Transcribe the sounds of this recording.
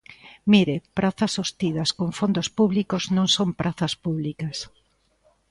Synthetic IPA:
miɾepɾaθɐsost̪iðɐskoɱfond̪ospuβlikoznõŋsõmpɾʔaθɐspuβlikɐs

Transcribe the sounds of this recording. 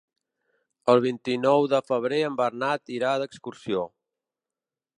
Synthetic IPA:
əlˠβ̞int̪inɔwðəfəβ̞ɾeəmbərnat̪iɾaðəkskuɾsio

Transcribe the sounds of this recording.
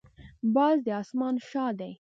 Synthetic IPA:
bɑzd̪əɑsmɑnʃɑd̪aj

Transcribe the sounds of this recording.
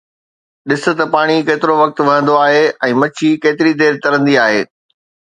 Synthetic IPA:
ɗɪsʊ̆t̪ɐpaːɽ̃ikeːt̪ɪɾoʋɐk̚t̪ʋɐɦə̃nd̪oaːɦeɛ̃ːmɐt͡ɕʰikeːt̪ɪɾid̪eːɾt̪ɐɾə̃nd̪iaːɦeː

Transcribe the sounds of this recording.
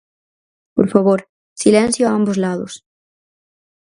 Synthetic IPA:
po̰ɾfaβoɾ | silẽnsjoaambozlaðo̰s

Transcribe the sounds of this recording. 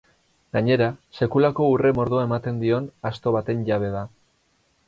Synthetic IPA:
ɡaɲe̞ɾase̞kulako̞ure̞mo̞ɾðuaemat̪e̞nd̪io̞nast̪o̞β̞at̪e̞nʝaβ̞e̞ða

